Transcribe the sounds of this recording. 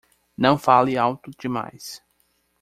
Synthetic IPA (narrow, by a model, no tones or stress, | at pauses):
nɐ̃w̃falɪawt̪ʊd͡ʒɪma̰js